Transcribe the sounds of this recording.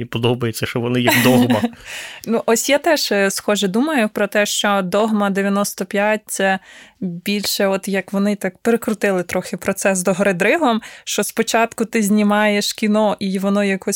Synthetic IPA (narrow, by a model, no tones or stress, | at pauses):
ipɔd̪ɔbɐjet͡sʲːɐʃt͡ʃɔʋɔnɪjɛd̪ɔɦɐnuʔɔsʲjat̪ɛʃsxɔʒɛd̪umɐjʊpɾɔt̪ɛʃt͡ʃɔd̪ɔɦmɐd̪eʋʲjɐnɔst̪ɔpʲjat̚ʲt̪sɛbʲilʲʃɛɔt̪jɐkʋɔnɪt̪ɑkpeɾekɾʊt̪ɪlˠɪt̪ɾɔxɪpɾɔt̪sɛzd̪ɔɦɔɾɪd̪ɾɪɦˠɔmʃt͡ʃɔspɔt͡ʃɑt̪kʊt̪ɪzʲnʲimɑjeʃkʲinɔʔiʋɔnɔjɐkɔsʲ